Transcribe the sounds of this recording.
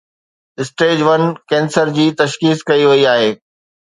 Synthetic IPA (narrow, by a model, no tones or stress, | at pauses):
ɪsʈeːd͡ʑʋɐnkɛ̃ːnsəɾd͡ʑiːt̪ɐʃkiːskɐiʋɐiaːɦeː